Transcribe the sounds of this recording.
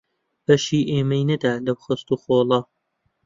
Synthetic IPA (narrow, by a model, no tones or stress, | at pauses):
b̥ɐʃiːʔeːmɐjnɐd̪aːlɐbxɨst̪uːxoːlˠɐ